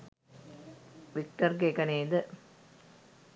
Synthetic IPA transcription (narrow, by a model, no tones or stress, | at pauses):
ʋɪk̚ʈɐɾɡeːkɐneːd̪ɐ